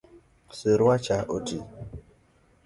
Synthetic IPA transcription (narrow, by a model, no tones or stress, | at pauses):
seɾat͡ʃaʔoti